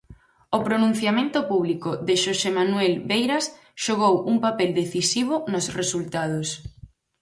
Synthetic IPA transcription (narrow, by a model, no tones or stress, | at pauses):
opɾonũn̟θjamẽnt̪ʊpuβ̞likoðɪʃosemanwɛlβejɾas | ʃoɣ̞owʔuŋpapeld̪eθisiβ̞ʊnosresult̪að̞os